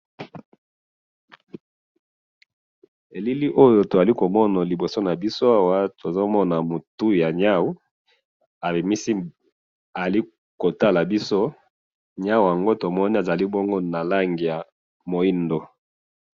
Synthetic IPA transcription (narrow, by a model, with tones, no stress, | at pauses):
e˨li˦li˦ʔo˦jo˨ta˨li˦ko˨mɔ˦na˨li˨bo˨so˦na˨bi˦so˦a˦wa˦to˨zo˦mɔ˦na˨mo˨tu˦ja˨ɲa˦wu˦ | a˨bi˨mi˦si˦ | a˨li˦ | ko˨ta˦la˨bi˦so˦ | ɲa˦wja˨ŋɡo˦to˨mɔ˦ni˦a˨za˨li˦bo˦ŋɡo˦na˨la˦ŋɡi˨ja˨ | mo˨i˦ndo˨